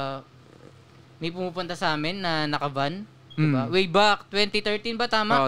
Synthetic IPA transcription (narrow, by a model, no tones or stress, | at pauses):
mɐjpʊmuːpʊnt̪ɐsɐaːmɪnːɐnɐkɐvan | d̪ɪbawɛjbak̚t̪wɛnt̪it̪ɛɹt̪inbɐt̪aːma